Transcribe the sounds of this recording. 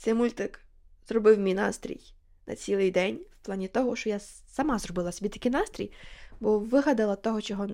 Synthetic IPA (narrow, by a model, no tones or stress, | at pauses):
semulʲt̪ɪkzrɔbɪwmʲijnɑ̰st̪ɾʲḭj | nʔɐ̰t͡sʲilˠɪjd̪ɛnʲwplˠɑnʲit̪ɔɦɔʃt͡ʃɔja | sɐmɑzrɔbɪlˠɐsʲɔbʲit̪ɐkɪjnɑst̪ʲɾʲḭjbɔʋɪɦɐd̪ɪlˠɐt̪ɔɦɔt͡ʃɔɦɔ